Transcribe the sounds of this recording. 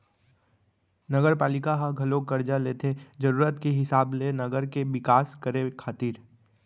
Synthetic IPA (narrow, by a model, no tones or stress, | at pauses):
nɐɡəɾpaːlɪkaɦãɡʱɐlokɐɾd͡ʒaleːt̪ʰed͡ʒɐɾuːɾət̪kiɦɪsaːblenɐɡəɾkeʋɪkaːskəɾekʰaːt̪iːɾ